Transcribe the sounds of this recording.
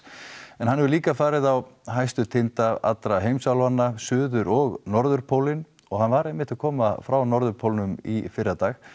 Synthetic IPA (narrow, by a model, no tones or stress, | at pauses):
ɛnhanːɛvʏliːkafaːɾɪðawɦajst̪ʏt̪ʰɪnt̪aa̰t̪ɾaɦejmsawlanːasʏːðʏɾɔɣnɔɾðʏɾpʰowlɪn | ɔɣhanvaɾɛjmːɪht̪akʰɔːmafɾawnɔɾðʏɾpʰowlnʏmifɪɾːat̪aːx